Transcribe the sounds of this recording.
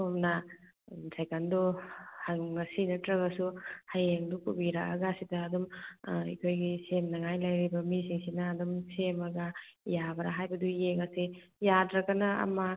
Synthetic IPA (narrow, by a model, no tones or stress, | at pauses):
omnɐ | isajkanduhaɐsinɐtɾɐβɐsuhajeŋdukubiɾakɐ̰ɡasidɐːdumḭkʰojɡisemnɐŋajlɐjɾibɐmisiŋsinɐːdumsemɐɡɐ | jabɐɾaɦajbɐdujeŋɐsi | jadɾɐkɐnɐɐ̰mɐ